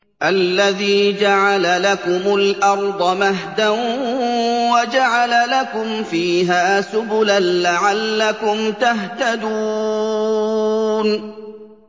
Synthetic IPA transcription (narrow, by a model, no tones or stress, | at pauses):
ʔalːaðiːd͡ʒaʕalalakʊmʊlʔɑɾˤd̪ˤɑmaɦd̪an | wad͡ʒaʕalalakʊmfiːɦaːsʊbʊlanlaʕalːakʊmt̪aɦt̪ad̪uː | n